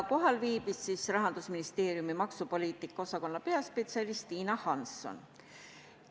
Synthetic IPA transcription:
ko̞ɦɑlviːb̥isːisrɑɦɑnd̪̥usminist̪e̞ːɾjumimɑksupo̞liːt̪ˑikːˑɑo̞sɑko̞nːɑpe̞ɑspe̞t̪siɑlist̪iːnɑhɑnsːo̞̰n

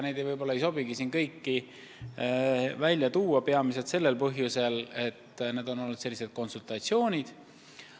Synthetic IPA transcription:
ne̞jd̪̥ejvɤjbo̞lːɑejso̞biɡ̥isiːnkɤjkːi | vælʲjɑt̪uːɑpeɑmis̬et̪se̞lːe̞lpɤɦjuse̞le̞t̪ːne̞ːd̪̥o̞no̞lːud̪se̞lːise̞d̪̥̚ko̞nsult̪ɑt̪sio̞ːnʲid̪̥

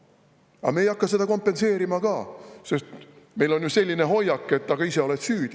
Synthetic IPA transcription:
ɑ̰me̞ːjɑkːɑse̞d̪ɑko̞mpːe̞nse̞ːɾimɑkɑːse̞st̪ | me̞jlo̞njuse̞lʲːine̞ɦo̞jːɑkːˑe̞t̪ːɑɡ̥ɑise̞o̞let̪syːd̪̥

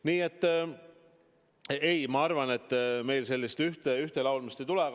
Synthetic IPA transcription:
niːe̞t̪ːˑ | ejmɑɑɾvɑne̞t̪ːˑme̞jlse̞lʲːist̪yht̪eyht̪elɑwlmist̪ejt̪ulɛ

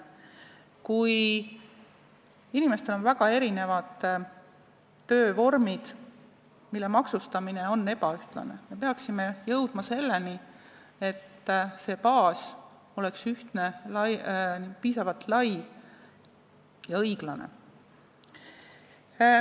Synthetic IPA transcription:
kuj | inime̞st̪e̞lonvæɡɑe̞ɾine̞vɑd̪̥ | ø̞ːvo̞rmid̪̥ | milːemɑksust̪ɑmine̞o̞nːe̞bɑyht̪lɑ̰ne̞me̞peɑksime̞jɤwd̪̥mɑse̞lːe̞ni | e̞t̪ːse̞ːpɑːs | o̞le̞ksyht̪ne̞lɑjpiːsɑvɑlt̪lɑj | jɑɤjɡ̥lɑne̞̰

